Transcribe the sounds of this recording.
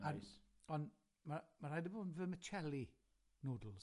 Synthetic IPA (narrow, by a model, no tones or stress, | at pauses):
aɔn | mamaɾajdəbonvəmət͡ʃʰɛli | noːdl̩ˠz